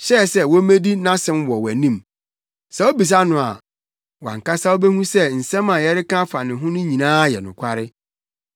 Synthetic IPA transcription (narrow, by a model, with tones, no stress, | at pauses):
ɕɛ˦˨sɛ˦wɔ˦mẽ˦di˦nã˦sɛ̃˨mwɔ˨wæ˨nĩ˦˨m | sɛ˨o˦bi˨s̬a˦nʊ̃˨a̰˨ | wã̰˨ŋ̩˨ka˦sa˦o˦bɛ˦hũ˦sɛ˦˨n̩˨sɛ̃˦mã˨jɛ˦ɾɪ˦kã˦fa˨nɪ̃˨ɦʊ̃˦nʊ̃˦ɲĩ˨nãː˦jɛ̰˨nʊ̃˨kʷʰa˦ɾɪ˦